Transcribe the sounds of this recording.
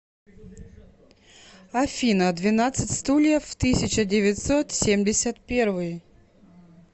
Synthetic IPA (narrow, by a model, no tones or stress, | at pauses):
ɐfʲinəd̪vʲɪnat̪sɨtʲst̪ulʲɪjəft̪ɨsʲɪt͡ɕədʲɪvʲɪt̪ʲsot̪sʲemdʲɪsʲət̪̚pʲervɨj